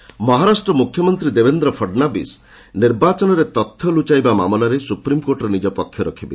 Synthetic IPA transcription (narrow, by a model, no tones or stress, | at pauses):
mɔɦaɾasʈɾɔmukʰjɔmɔnt̪ɾid̪ebend̪ɾɔpʰɔɖnabḭs | niɾbat͡ʃɔnɔɾet̪ɔt̪ʰːjɔlut͡ʃajbamamɔlaɾesupɾimkoɾʈɔɾenid͡ʒɔpɔkʰjɔɾɔkʰibḛ